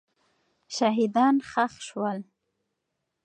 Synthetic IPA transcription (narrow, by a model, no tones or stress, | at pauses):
ʃaɦid̪ɑnxaxʃwəl